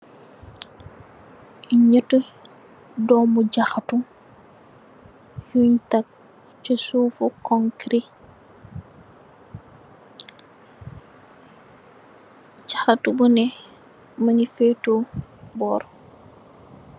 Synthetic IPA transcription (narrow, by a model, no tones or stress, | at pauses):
iɲətə | dɔːmuɟaxatu | juɲtak̚ | t͡ʃəsuːfukɔŋkɾi | ɟaxatubunɛ | mɐnifetobɔːɾ